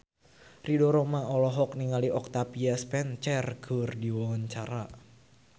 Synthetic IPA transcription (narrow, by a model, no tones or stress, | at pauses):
ridɔɾɔmaɔlɔɦɔk̚niŋaliʔɔk̚t̪apiaspɛnt͡ʃɛrɡ̥ərdiwɔwɔɲt͡ʃaɾa